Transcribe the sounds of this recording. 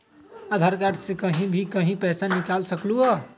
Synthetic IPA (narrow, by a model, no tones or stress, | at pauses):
ad̪ʱaɾkaʈsekəɦĩbʱikəɦĩpɛsanikalsəkluɔ